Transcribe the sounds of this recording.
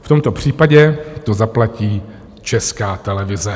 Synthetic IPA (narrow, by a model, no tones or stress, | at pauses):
ft̪o̞mt̪o̞pr̝̥iːpaɟɛt̪o̞zaplaciː | t͡ʃɛskaːt̪ɛlɛvɪzɛ